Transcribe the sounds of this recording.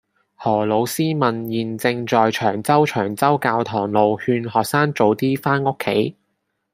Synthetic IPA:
hɔː˨˩lo˨˧wsiː˥mɐ˨njiː˨˩nt͡sɪ˧ŋt͡ʃɔː˨jt͡ʃʰœː˨˩ŋt͡sɐ˥wt͡ʃʰœː˨˩ŋt͡sɐ˥wkaː˧wt̪ʰɔː˨˩ŋlo˨˧whyː˧nɦɔː˨k̚saː˥ŋt͡so˨˧˥wt̪iː˥faː˥nʊ˥kʰːe˨˥j

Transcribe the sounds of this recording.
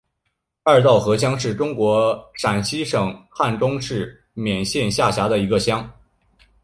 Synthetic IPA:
a˞˥˧t̪ɑ˥˩ʊxɤ˧˥ɕ̬jɑ˥ŋʂɻ̩˥˩ʈ͡ʂʊ˥ŋkwɔ˧˥ʂa˨˩nɕi˥ʂɤ˨˩ŋxa˥˩nʈ͡ʂʊ˥ŋʂɻ̩˥˩ | mjɛ˨˩nɕjɛ˥˧nɕja˥˩ɕja˧˥d̪ə˧i˧˥ɡə˧ɕjɑ˥ŋ

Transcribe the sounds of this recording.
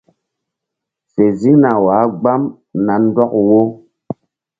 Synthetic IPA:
se˨zi˦ŋna˨waː˨˦ɡ͡ba˦m | na˨n˦dɔ˦kwo˦

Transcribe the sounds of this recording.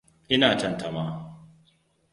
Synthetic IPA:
ʔɪ˦naː˨tɐ˦nta˨maː˦

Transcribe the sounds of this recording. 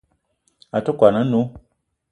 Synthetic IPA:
a˨tɔ˦kwa˨nã˦nõ˦

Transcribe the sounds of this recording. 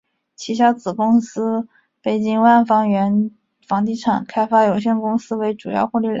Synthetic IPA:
t͡ɕʰi˧˥ɕ̬jɑ˥ʊt͡sɹ̩˨˩kʊ˥ŋsɹ̩˥ | pe˨˩ɪt͡ɕi˥ŋwa˥˩nfɑ˥ŋɥɛ˧˥n | fɑ˧˥ŋt̪̬i˥˩ʈ͡ʂʰɑ˨˩ŋkʰa˥ɪfa˥jo˨˩ʊɕjɛ˥˩nkʊ˥ŋsɹ̩˥we˧˥ɪʈ͡ʂu˨˩jɑ̰˥˧ʊxwɔ˥˧li˥˩l

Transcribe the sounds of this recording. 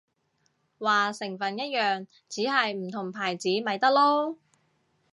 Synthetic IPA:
waː˨˩sɪ˨˩ŋfɐ˨njɐ˥t̚jœː˨ŋ | t͡siː˨˥ɦɐ˨jm̩˨˩t̪ʰʊ˨˩ŋpʰaː˨˩jt͡siː˨˥mɐ˨˧jt̪ɐ˥k̚lɔː˥

